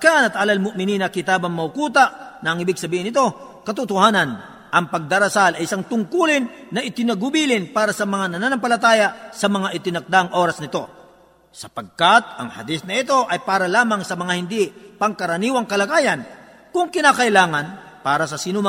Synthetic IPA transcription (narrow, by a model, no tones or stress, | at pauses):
kanɐt̪ʔalɐlmʊʔmɪniːnɐkɪt̪aːbɐŋmɐʊkuːt̪aʔnɐːŋɪbɪɡsɐbiːhɪnɪt̪o̞ | kɐt̪ʊt̪ʊhaːnɐn | ʔɐŋpɐɡ̚d̪ɐɾɐsalɐjʔɪsaŋt̪ʊŋkulɪnːɐʔɪt̪ɪnɐɡʊbiːlɪnpaːɾɐsɐmɐŋanɐnanɐmpɐlɐt̪aːjɐsɐmɐŋaʔɪt̪ɪnɐk̚d̪aŋʔo̞ːɾɐsnɪt̪o̞ | sɐpɐɡ̚kat̪̚ɐ̰ŋhɐ̰d̪ɪsnɐɪt̪o̞ʔɐjpaːɾɐlaːmɐŋsɐmɐŋahɪnd̪ipɐŋkɐɾɐniːwɐŋkɐlɐɡaːjɐn | kʊŋkɪnaːkɐʔɪlaːŋɐnpaːɾɐsɐsɪnʊma